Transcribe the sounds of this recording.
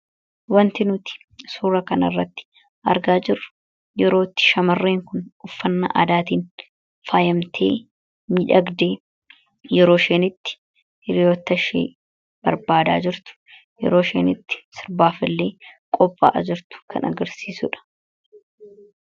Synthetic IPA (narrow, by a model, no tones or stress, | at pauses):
wɐnt̪ɪnʊt̪ɪ̥ | suːɾɐkɐnɐ̰rːɐt̪ːɪ̥ | ʔɐɾɡaːd͡ʒɪrːʊ̥ | jɛɾo̞ːt̪ːɪ̥ʃɐmɐrːeːŋkʊnʊfːɐnːɐ̰ʔa̰ːd̪aːt̪iːn | faːjɐmt̪ʰḛː | mɪᶑɐɡd̪eː | jɛɾoːʃe̞ːnɪt̪ːɪ̥ | ɪɾɪjoːt̪ːɐʃḛː | b̥ɐɾbaːd̪aːd͡ʒɪɾt̪ʊ̥ | jɛ̰ɾo̞ːʃḛːnɪt̪ːɪ̥sɪɾbaːfɪlːe̞ːkʼɔpʼːa̰ːʔɐd͡ʒɪɾt̪ʊ̥kɐ̰nɐ̰ɡɐɾsiːsʊᶑɐ̥